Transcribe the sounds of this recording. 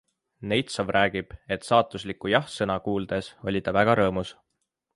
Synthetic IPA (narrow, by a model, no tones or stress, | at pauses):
ne̞jt̪sɑvrʔæːɡ̥ib̥e̞t̪sɑːt̪ˑuslikːujɑhsɤnɑkuːld̪̥e̞so̞lʲid̪ɑvæɡ̥ɑɾɤːmus